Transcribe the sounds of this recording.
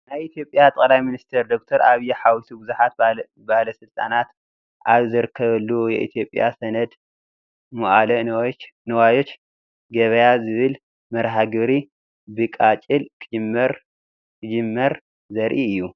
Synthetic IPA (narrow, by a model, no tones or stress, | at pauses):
najʔit̪ʰjo̞pʼjat̪ʼɐlajminist̪ʰɐɾd̪ok̚t̪ʰɐɾʔaβjɛħawisubɨzuħat̪̚ | bahlɐsɨlt̪ʼanat̪ | ʔaβzɨɾɨkʰːɐβɐlːujɛ̰ʔḭt̪ʰijo̞pʼja̰sɐnɐd̪ | mɐʔalɐnɐwajo̞t͡ʃ | ɡɐβɐjazɨβɨl | mɐɾɦaɡɨβɾi | bɨkʼat͡ʃʼɨlkʰɨd͡ʒɨmːɐɾ | kʰɨd͡ʒɨmːɐɾ | zɐɾʔiɨjːu